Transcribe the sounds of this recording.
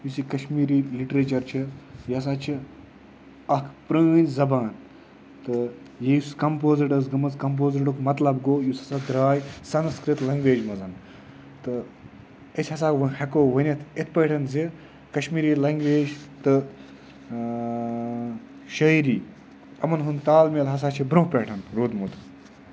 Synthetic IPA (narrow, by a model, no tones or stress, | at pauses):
jusikɐʃmiːɾiːliʈɾeːt͡ʃɐɾt͡ʃʰijɐs̬aːt͡ʃʰi | ɐkʰpɾə̃ːnzɐbaːn | t̪ɨ | jejuskɐmpoːziʈɐs̬ɡɐmɐskɐmp̬oːziʈukmɐt̪lɐbɡoːjusɐsaːd̪ɾaːjsɐnskɾit̪lɐŋɡʋeːd͡ʒmɐzɐn | t̪ɨ | it̪ʲʰhɐs̬aːkʋɨhɐkoːʋɐnʲet̪ʰit̪ʰpəʈʰɐnzi | kɐʃmiːɾiːlɐŋɡʋeːd͡ʒt̪ɨ | ʃɐjɾiː | ɐmɐnɦunt̪aːlmielɦɐs̬aːt͡ʃʰibɾõpʲeːʈʰɐnɾoːd̪mut̪ʰ